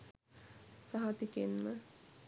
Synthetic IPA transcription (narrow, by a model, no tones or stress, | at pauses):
saɦat̪ikenmə